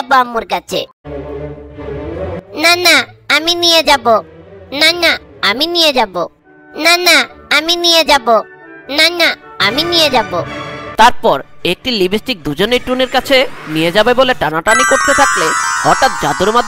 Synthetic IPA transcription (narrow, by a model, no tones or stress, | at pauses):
boamoɾkat͡ɕʰḛ | nanaaminijed͡ʑabonanaaminijed͡ʑabo | nanaaminijed͡ʑabo | nanaaminijed͡ʑabot̪aɾpɔɾek̚ʈilibʱisʈik̚d̪ud͡ʑoneʈuneɾkat͡ɕʰenijed͡ʑabeboleʈanaʈanikoɾt̪et̪ʰaklehɔʈat̪̚d͡ʑad̪uɾmad̪